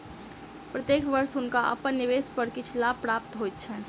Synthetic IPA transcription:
pɾət̪jeːkʋəɾsʊnkaʔɐ̰pənːɪʋeːspəɾkɪt͡ʃʰlaːb̚pɾaːp̚t̪ɦoːjt̪̚t͡ʃʰɛː

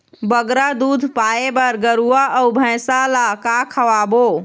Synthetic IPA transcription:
bəɡɾad̪ud̪ʱpaebəɾɡəɾuaʔəwbʱə̃jsalakakʰəʋabo

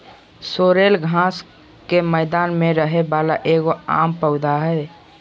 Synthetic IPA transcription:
soɾelɡʱãs | keməɪd̪aːnmẽɾəɦebalaʔeɡoa̰ːmpəʊd̪aɦɛ

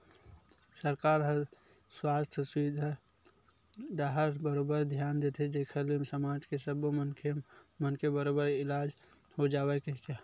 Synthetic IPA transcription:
səɾkaːɾɦə̃ | swast̪ʰəsʋid̪ʱa | d̪aɦəɾbəɾobəɾd̪ʱjaːnd̪et̪ʰed͡ʒekʰəlimsəmad͡ʒkesəbomənkʰemənkebəɾobəɾɪlad͡ʒ | hod͡ʒaːwɛkeka

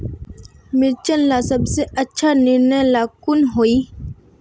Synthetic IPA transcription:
mɪɾt͡ʃənlasɐbseʔɐtːʃʰanɪɾnəjlaːkʊnɦoːiː

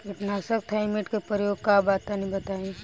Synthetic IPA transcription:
kɪʈnaːsək̚t̪ʰaɪmeʈkepɾəjoːɡ̚kabaːt̪ːanĩbɐt̪aːẽ

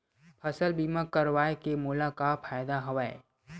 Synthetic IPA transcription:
pʰɐsəlbiːməkːəɾʋaːekemuːlakapʰaːjd̪aɦɐʋaːḛ

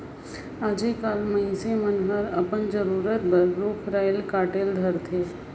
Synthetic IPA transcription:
aːd͡ʒekaːlmɐisemənɦəɾɐpənd͡ʒəɾuːɾət̪̚bəɾɾoːkʰɾaːjlkaːʈeːld̪ʱəɾt̪ʰeː

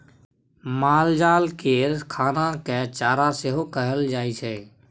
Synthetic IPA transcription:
maːld͡ʒaːlkeːɾkʰaːnakɛt͡ʃaːɾaseɦokəɦəld͡ʒaːit͡ʃʰɛ

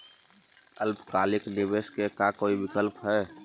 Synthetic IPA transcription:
əlbkaːlɪknɪʋeːskekakoːiʋɪkəlpɦɛː

